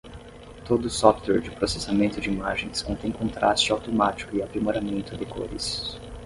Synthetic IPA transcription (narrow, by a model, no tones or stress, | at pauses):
t̪od̪ʊːsɔft̪wɛɾd͡ʒɪpɾosesamẽnt̪ʊd͡ʒɪimaʒẽj̃skõnt̪ẽj̃kõnt̪ɾast͡ʃɪawt̪omat͡ʃi̥kʊɪapɾimoɾamẽnt̪ʊd̪ɪko̰ɾɪ̰s